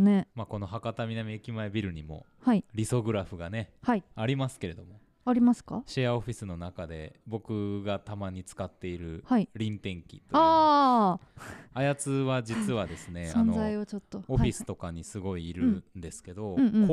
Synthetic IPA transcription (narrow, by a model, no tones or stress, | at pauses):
nemako̞no̞ɦakat̪amʲinamʲiekʲimae̞bʲiɾɯ̟ɲ̟imo̞̰ | haiɾʲiso̞ɡɯ̟ɾaɸɯ̟ɡane̞haiaɾʲimasɨ̥ke̞ɾe̞d̪o̞mo̞ | aɾʲimasɨ̥kaɕiao̞ɸʲisɨno̞nakad̪e̞̰bo̞kɯ̟ɡat̪amaɲ̟it͡sɨ̥kat̪ːe̞iɾɯ̟haiɾʲĩnt̪ẽ̞ŋkʲḭt̪ːoaː | ajat͡sɨβad͡ʑit͡sɨβad̪e̞sɨne̞saõnozaiot͡ɕot̪ːo̞oɸʲisɨ̥t̪o̞kaɲ̟isɨɡo̞iːɾɯ̟nd̪e̞sɨ̥ke̞d̪õ̞k